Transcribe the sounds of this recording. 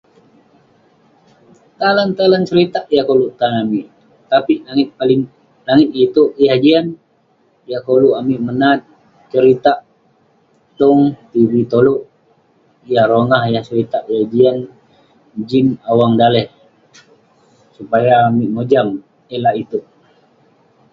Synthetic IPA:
t̪alant̪alant͡ʃəɾit̪aʔjakoluʔt̪anamiʔ | t̪apiʔnaŋɪt̪̚palɪŋ | laŋɪt̪̚it̪uʔjahd͡ʒian | jakoluʔamiʔmənat̪̚ | t͡ʃəɾit̪aʔ | t̪ɔŋt̪ivit̪oluʔ | jahɾoŋahjaht͡ʃəɾit̪aʔjahd͡ʒian | d͡ʒinawaŋdalɛh | supajaːmiʔmod͡ʒam | ɛlait̪uʔ

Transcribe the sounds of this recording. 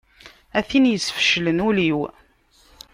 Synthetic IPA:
æθinjəsfə̥ʃlənuliw

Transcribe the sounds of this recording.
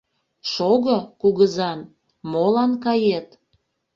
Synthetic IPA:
ʃoɣəkuɣəzɑn | molɑnkɑjet̪

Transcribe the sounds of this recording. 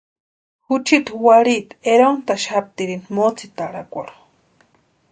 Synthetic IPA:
hut͡ʃʰit̪waɾit̪eɾont̪aʃhap̚t̪iɾinmot͡sʰit̪aɾakʷa̰ɾo̥

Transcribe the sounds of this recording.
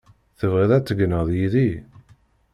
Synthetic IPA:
θəvʁiðæt͡sːəɡnəðˤjiði

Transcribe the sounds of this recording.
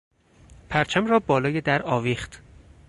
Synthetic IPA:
pʰæɾt͡ʃʰæmɾɒːbɒːlɒːjed̪æɾɒːviːχt̪

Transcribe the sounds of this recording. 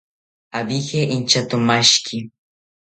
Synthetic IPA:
abixeʔint͡ʃat̪ʊmaʃkʰɪ

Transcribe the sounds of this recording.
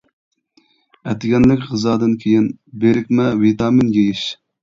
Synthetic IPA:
ɛt̪ɪɡʲɛnlɪkʲʁɨzɑːd̪ɨnkʲʰejinbeɾɪkʲmɛvit̪ʰɑːmɪnjʲejɪʃ

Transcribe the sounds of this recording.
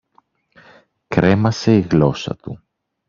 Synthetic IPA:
kɾe̞mɐse̞iɣlo̞sɐ̰t̪u

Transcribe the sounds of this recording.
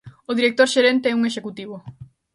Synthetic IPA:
ʊðiɾek̚t̪oɾʃeɾent̪eɛuŋeʃekut̪iβ̞o

